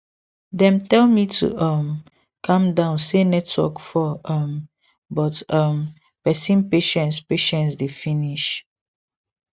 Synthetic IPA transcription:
dɛ̃mtɛlmitʰṵʔʌm | kʰãmdãʊnsenɛtʰwɔ̰kfɔɔm | bɔtʌm | pɛsĩnpeʃɛ̃ntspeʃɛ̃nts̬definiʃ

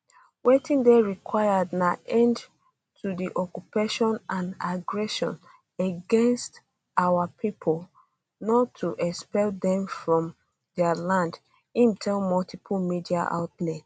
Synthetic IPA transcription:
wetĩndeɹikʰwaɪadnaʔɛ̃nd | tʰudiʔɔkjupeʃɔ̃nʔãnaɡɹɛʃɔ̃n | eɡɛ̃nst | awapʰipʰɔl | nɔtʰːuʔɛspɛldɛ̃mfɹɔ̃m | dɛəlãnd | ĩmtʰɛlmɔltʰipʰulmidiaʔa̰ʊtlɛ

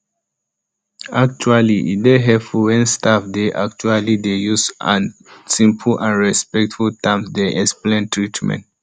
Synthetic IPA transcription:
ak̚t͡ʃualiʔḭdeɦɛpfuwɛ̃nstafdeʔak̚t͡ʃualidejusã̰nsĩmpʰlʔãnɹɛspɛk̚tfultãmsdɛʔɛsplɛ̃ntɹitmɛ̰̃nt

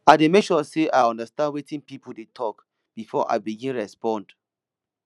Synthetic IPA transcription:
aɪdemekʃɔseʔaɔ̃ndəstãndwetʰĩnpipuldetʰɔk | b̥ifɔʔa̰ɪbiɡĩnɹɛspɔ̃nd

